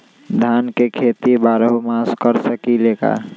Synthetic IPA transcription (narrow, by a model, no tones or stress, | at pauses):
d̪ʱankekʰet̪ibaɾɦomaskəɾsəkileːka̰